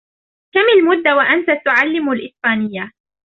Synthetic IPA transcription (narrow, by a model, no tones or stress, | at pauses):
kamalmʊd̪ːawaʔant̪at̪ʊʕalːɪmalʔɪspaːnɪjːa